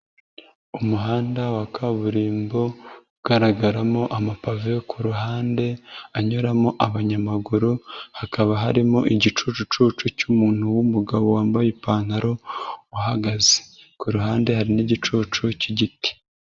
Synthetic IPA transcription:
umuɦaːndawakʰaβuɾiːmbo̞uɡaɾaɡaɾamo̞ʔamapavekʰuɾuɦaːnde̞aɲoɾamoʔaβaɲamaɡuɾuhakaβaɦaɾimoʔiɟit͡ʃut͡ʃut͡ʃut͡ʃucumuːn̥huwumuɡaβo̞waːmbajepaːnaɾo̞waɦaɡaze̥kuɾuɦaːnde̞haɾiniɟit͡ʃut͡ʃuciɟiti̥

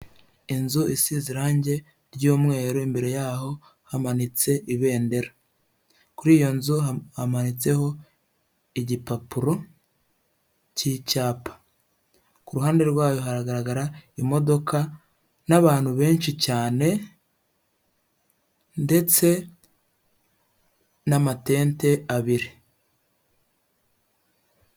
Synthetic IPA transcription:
inzuisiːziɾaːɲɟe̞ | ɾɟuːmŋe̞ːɾoimbe̞ɾe̞jaːho̞ | hamanit͡se̞ʔiβe̞ːnde̞ɾa | kuɾiːjo̞nzuhamanit͡se̞ho̞ | iɟipapuɾo̞ | ciːcaːpḁ | kuɾuɦaːnde̞ɾɡwaːjo̞ɦaɾaɡaɾaɡaɾaimo̞do̞kʰa | naβaːn̥huβe̞ːnʃicaːne̞ | nde̞t͡se̞ | namate̞ːnte̞aβiɾi

